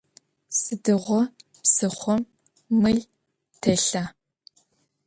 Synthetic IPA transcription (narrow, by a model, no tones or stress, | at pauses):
sɨdɨʁʷɔ | psɨχʷɔmː | ɨɮ | tʰɐɬa